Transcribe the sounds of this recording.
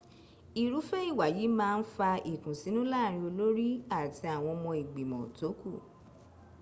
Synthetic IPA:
i˨ɾu˨˦fe˦i˦˨wa˨ji˨˦mãː˦˧n̩˦fa˧ʔi˨tũ˨si˨˦nũ˦la˦˨ɾ̃ĩ˧o˧lo˦ɾi˦a˦˨ti˧a˨w̃ɔ̃˧mɔ̃˧i˨ɡ͡bi˨mɔ̰̃˨to˨˦ku˦˨

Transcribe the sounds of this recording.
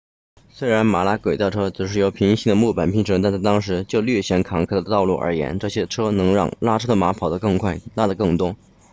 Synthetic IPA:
swe˥ɪɻa˧˥nma˧˥la˥kwe˨˩ɪt̪ɑ˥˩ʊʈ͡ʂʰɤ˥ʈ͡ʂɻ̩˨˩ʂɻ̩˥˩jo˧˥ʊpʰi˧˥ŋɕi˥˩ŋd̪ə˩mu˥˩pa˨˩npʰi˥ŋʈ͡ʂʰɤ˧˥ŋt̪a˥˧nt͡sʰt̪ɑ˥ŋʂɻ̩˧˥t͡ɕjo˥˧ʊlɥɛ˥˩ɕjɛ˧˥nkʰɑ˧˥ŋkʰɤ˥˩d̪ə˨˩t̪ɑ˥˧ʊlu˥˩ʔə̰˞˧˥jɛ̰˧˥nʈ͡ʂɤ˥˩ɕjɛ˥ʈ͡ʂʰɤ˥nɤ˧˥ŋɻɑ̰˥˧˩ŋla˥ʈ͡ʂʰɤ˥d̪ə˨ma˧˥pʰɑ˨˩ʊd̪ə˦kɤ˥˧ŋkʰwa˥˩ɪla˥˩d̪ə˩kɤ˥˩ŋt̪wʊ˥

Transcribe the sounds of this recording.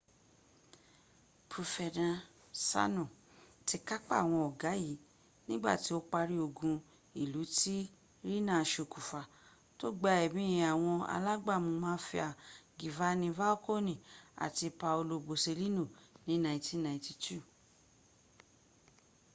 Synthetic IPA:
pɾo˨fɛ˨dã˧ | sa̰˦nũ˨ | ti˧˦ka˦k͡pa̰˦˨w̃ɔ̃˧ɔ˨ɡa˨˦ji˨˦ | nĩ˦ɡ͡ba̰˦˨ti˨˦o˦k͡pa˧ɾi˦o˧˨ɡũ˧ | i˦˨lu˨˦ti˦ | ɾi˦nã˦˨ʃo˧˨ku˨fa˨ | to˦ɡ͡ba˧˦ɛ˨mĩ˦ĩ˨a˨w̃ɔ̃˧a̰˧la˦ɡ͡ba˦˨mũ˧mãː˦fi˧a˨ɡi˨va˦nĩ˧va˦o˦ko˦nĩ˦˨a̰˨ti˧pa˧o˧lo˧bo˨se˧li˦nũ˦˨nĩ˨˦nã˧˨ĩ˦ti˦nã˧˨ĩ˧˦ti˧tu˦˨

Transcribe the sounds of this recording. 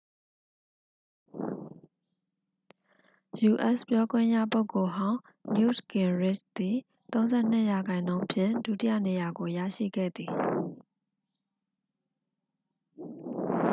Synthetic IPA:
ju˨ʔɛ˦spjɔ˦ɡwɪ̰̃˦˨jä̰˦˨po˦ʊkːo˨ɦã˦ʊ̃ | mjṵ˦tɡɪ̃˨ɹɪ˦˨t͡ʃd̪̥i˨ | t̪õ˦ʊ̃nzɛ̰˦˨n̥ɪ˦˨ja˨ɡã˨ɪ̃nõ˦ʊ̃pʰjɪ̰̃˦˨ndṵ˦˨tɪ˦jä̰˦˨ne˨ja˨ɡo˨jä̰˦˨ʃḭ˦˨ɡɛ̰˦˨d̪ði˨

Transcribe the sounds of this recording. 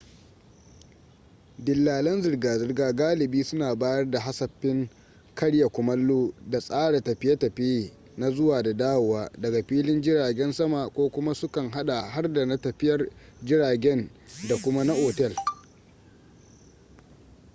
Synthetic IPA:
dɪ˨lːaː˨lɐ˦nzɪ˨rɡaː˨zɪ˦rɡaː˦ɡaː˦lɪ˨biː˦sʊ˦naː˨baː˦jɐ˦rda˨ɦa˦sɐ˨ɸːɪ˦ŋ | kʰɐ˦ɽja˨kʷʊ˨mɐ˦lːoː˦da˨sʼaː˦ɽa˨tɐ˨ɸɪ˦ja˦tɐ˨ɸi˦˨ | na˦zʊ˦waː˨da˨daː˦wʊ˨waː˦dɐ˨ɡa˨ɸiː˦lɪ˦nd͡ʒɪ˦ɽaː˨ɡʲɛ˦nsɐ˦ma˨kʷoː˦kʷʊ˦ma˦sʊ˦kɐ˨ŋɦa˦ɗa˨ɦa˦rda˨na˦tɐ˨ɸɪ˦jɐ˦rd͡ʒɪ˦ɽaː˨ɡʲɛ˦nda˨kʷʊ˦ma˦na˦ʔoː˨tɛ˦˨l

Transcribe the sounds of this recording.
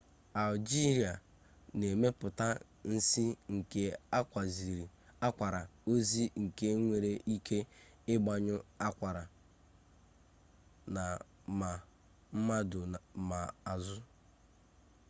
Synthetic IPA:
a˨ld͡ʒi˦ɾi˨a˨ | ne˨me˦pʊ˨ta˦ | n̩˦si˦ŋ̩˨ke˦a˦kʷa˨zi˨ɾi˨ | a˦kʷa˨ɾa˨o˦zi˦ŋ̩˨ke˦ŋʷe˨ɾe˦ʔi˦kʰe˦ | ɪ˦ɡ͡ba˨ɲʊ˦a˦kʷa˨ɾa˨ | na˨ | ma˨ | m̩˦ma˦dʊ˨ma˨a˨zʊ˦

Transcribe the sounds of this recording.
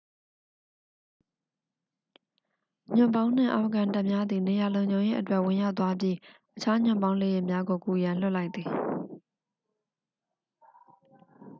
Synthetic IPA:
ɲ̥ʊ̰̃˨mbã˦ʊ̃n̥ɪ̰̃˦˨ʔa˨fəkã˨nta˦ʔmja˦d̪ði˨ne˨ja˨lõ˨ʊ̃ɲd͡ʑõ˨ʊ̃jḛ˦ʔətwɛ˦ʔwɪ̃˨ja˦ʊʔt̪̬ːwa˦pji˦ʔət͡ɕʰa˦ɲʊ̰̃˨mbã˦ʊ̃le˨jɪ˦ʔmja˦ɡo˨ku˨jã˨l̥ʊ˦ʔla˦ɪt̪ði˨

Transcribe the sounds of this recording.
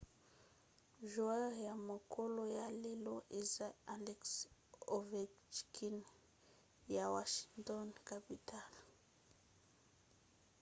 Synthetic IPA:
ʒu˨ɛ˦ʁja˨mo˨kʰo˦lo˦ja˨le˨lo˦ʔe˨za˦a˨lɛ˦kso˨vɛ˨t͡ʃkʰi˦n | ja˨wa˨ʃi̥˨ŋtɔ˦nka˨pi˨tʰa˦l

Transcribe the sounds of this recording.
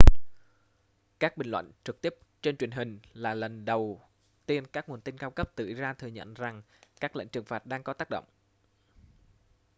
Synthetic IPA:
kaː˦˥k̚ɓï˨˩ŋlwə̰˧˨ŋt͡ɕɨ˨˩k̚t̪i˦˥əp̚t͡ɕe˧nt͡ɕwi˨˩əŋɦï˨˩ŋ̟laː˨˩lə˨˩nɗə˨˩w | t̪i˧ənkaː˦˥k̚ŋu˨˩ənt̪i˧nkaː˧wkə˦˥p̚t̪ɨ̰˧˨zaː˧t̪ʰɨ˨˩əɲə̰˧˨nza˨˩ŋ | kaː˦˥k̚lə̰˧˨ŋ̟t͡ɕɨ˨˩əŋfaː˨˩t̚ɗaː˧ŋkɔ˨˦t̪aː˦˥k̚ɗə̰˧˨wŋ͡m

